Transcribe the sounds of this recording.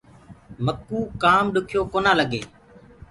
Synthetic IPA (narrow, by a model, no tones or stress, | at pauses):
məkːuːkaːmɗʊkʰjoːkoːnãːləɠeː